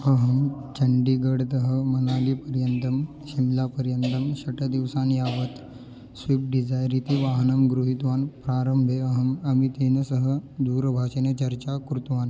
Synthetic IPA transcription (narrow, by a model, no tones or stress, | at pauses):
əɦəmt͡ɕəɳɖiːɡəɽt̪əɦəmənaliːpəɾjənt̪əm | ɕimlapəɾjənt̪əmɕɐʈʰəd̪iʋsanjaʋət̪ | sʋip̚ɖid͡zajɾit̪iʋaɦnəmɡɾuɦit̪ʋaːnpɾaɾəmbʱeəɦəməmit̪inəsəɦəd̪uːɾbʱaɕənet͡ɕɐɾt͡ɕakɾut̪ʋaːn